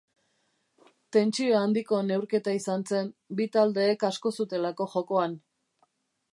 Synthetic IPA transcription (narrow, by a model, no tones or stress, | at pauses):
t̪e̞nt͡sioand̪iko̞ne̞wɾke̞t̪aisanse̞mbit̪ald̪e̞ːkasko̞sut̪e̞lako̞ʝo̞ko̞an